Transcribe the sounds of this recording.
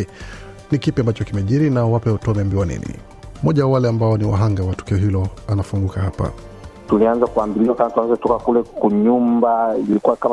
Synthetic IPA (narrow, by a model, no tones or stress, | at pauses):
nikipiambat͡ʃɔkimɛʄiɾinawapɛtɔmɛmbiwanḭnḭ | mɔʄawawalɛambaɔniwa̰ɦaŋɡawatu̥kiɔɦilɔanafuŋɡukaɦapa̰ | tulianzakuambiliwakamatuanzɛtɔkakulɛkuɲumbailikuwakama